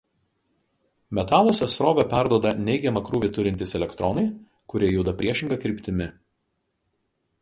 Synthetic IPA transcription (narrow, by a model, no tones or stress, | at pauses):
mʲɛt̪ɑːlˠoːsʲɛsɾoːʋʲɛpʲæˑɾd̪uɔd̪ɐnʲɛɪɡʲɛmɐkɾuːʋʲɪt̪ʊɾʲɪnʲt̪ʲɪsɛlʲɛkt̪ɾɔnɐɪ | kʊɾʲiɛjuʊd̪ɐpʲɾʲiɛʃʲɪŋɡɐkɾʲɪˑpʲt̪ʲɪmʲɪ